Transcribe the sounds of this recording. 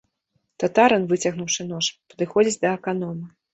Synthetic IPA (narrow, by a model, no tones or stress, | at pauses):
t̪ɐt̪aɾɐnvɨt͡sʲɐɣnuwʂɨnɔʂpɐd̪ɨxɔd͡zʲit͡sʲd̪ɐɛkanɔmɐ